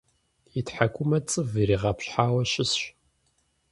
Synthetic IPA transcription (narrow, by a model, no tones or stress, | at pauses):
itħakʷʰʼʊmɐt͡sʼɨviɾiːʁɐpɕħaːwɐɕɪsɕ